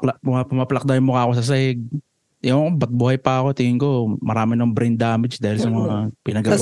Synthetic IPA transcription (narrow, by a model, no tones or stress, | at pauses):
lpʊmɐplɐk̚d̪ajmokaːkosɐs̬ɐɛɡ̚ | jobɐt̪̚buːhɐjpɐɐko̞t̪ɪŋɪŋko̞mɐɾaːmɪnɐoŋbɾɛjnd̪aːmɪd͡ʒd̪aːhɪlsɐmɐŋapɪnɐɡɐ